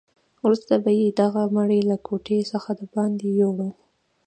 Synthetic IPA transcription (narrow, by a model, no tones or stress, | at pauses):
wɾust̪abajed̪aɣamaɽelakʰoʈʰesəxad̪əbɑnd̪ejoɽəw